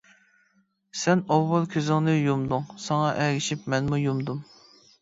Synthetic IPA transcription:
sɛnɑwːɑlˠkʲʰøzɪŋnɪjumd̪uŋsɑŋɑʔɛɡʲɪʃipmɛnmujumd̪um

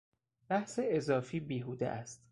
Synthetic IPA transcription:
b̥æhseezɒːfiːbiːɦuːd̪ḛʔæst̪

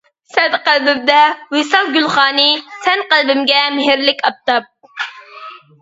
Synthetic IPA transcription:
sɛd̪qælbɪmd̪ɛwɪsɑlˠɡʲylˠχɑːnɨsɛnqælˠbɪmɡʲɛmɪɦɪɾlɪkʲɑp̚t̪ɑp̚

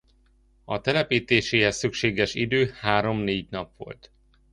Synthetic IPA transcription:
ɒt̪ɛlɛpiːt̪eːʃeːɦɛsːykʃeːɡɛʃid̪øːhaːɾo̞mneːɟnɒpʋo̞̰lt̪

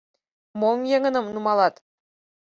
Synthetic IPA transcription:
momjeŋə̆nɤ̆mnumɑlˠɑt̪

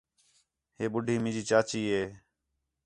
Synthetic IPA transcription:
ɦeːɓʊɖʱiːmɪ̃d͡ʒiːt͡ʃaːt͡ʃiːɦeː

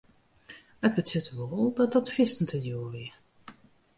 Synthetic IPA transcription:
əd̚bətɪtəʋolˠdɔt̚dɔtfɪstn̩tʰəjuːʋɪ

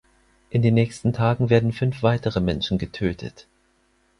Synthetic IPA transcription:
ʔɪndeːnːɛːçstn̩tʰaːɡŋ̩veːɐdn̩fʏnfv̥aɪtəʁəmɛnʃn̩ɡətʰøːtʰə̰t

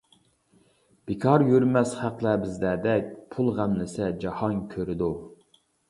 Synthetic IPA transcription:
b̥ɪkʰɑɾjyɾmɛsχæqlˠæbɪzlɛd̪ɛk̚ʲpʰulˠʁæmlɪsɛd͡ʒɑhɑnkʲʰøɾɪd̪u

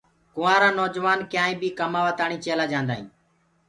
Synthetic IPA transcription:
kʊʋãːɾaːnoːd͡ʒʋaːnkjãːĩːbiːkəmaːʋaːt̪aːɳiːt͡ʃeːlaːd͡ʒãːnd̪aːɦḭ̃ː

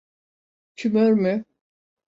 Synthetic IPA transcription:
t͡ʃʰymøɾmy

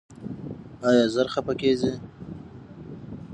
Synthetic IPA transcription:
ɑjɑzaɾxapakezi

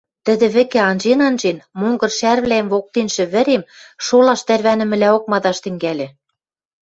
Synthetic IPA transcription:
t̪ɘ̆d̪ɘ̆βɘ̆kĕɑnʒenɑnʒenmoŋɡɤ̆rʃærβlæemβok̚t̪enʃɘ̆βɘ̆ɾemʃolɑʃt̪ærβænɘ̆mɘ̆læok̚mɑd̪ɑʃt̪ɘ̆ŋɡælʲɘ̆

